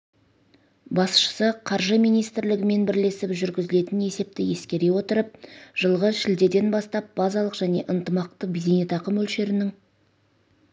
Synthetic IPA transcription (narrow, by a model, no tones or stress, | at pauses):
bɑsʃə̥səqʰɑɾʒəmijnijst̪ɪɾlɪɡʲɪme̞nbɪɾle̞sɪpʒʏɾɡʲɪzɪle̞t̪ɪne̞se̞p̚t̪ɪje̞skʲe̞ɾe̞wo̞t̪əɾəp̚ʒ̥əlˠʁəzʃɪld̪e̞d̪e̞nbɑst̪ɑp̚b̥ɑzɑlˠəqʒ̥æne̞ʔənt̪əmɑq̚t̪əbid̪enet̪ɑqəmɵlʃe̞ɾɪnɪŋ